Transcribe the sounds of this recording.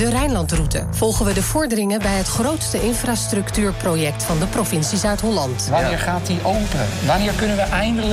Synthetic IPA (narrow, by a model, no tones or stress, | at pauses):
dərɛjnlɑntrutə̰v̥ɔlˠχənʋədəv̥ɔɹdərɪŋənbɛjɦətχrowtstəʔɪnfraːstrɵktyːɹprojɛk̚tfɑndəprovɪnsisœɥtɦɔlɑntʋaɪːɹχaːtiʔowpəʋanɪːɹkɵnənʋəʔɛjndəl